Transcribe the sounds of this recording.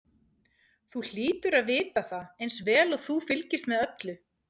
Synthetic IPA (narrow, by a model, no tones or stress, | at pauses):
θul̥iːt̪ʏɾaðvɪːt̪aθaejnsvɛːlɔɣθufɪlcɪst̪mɛðœt̪lʏ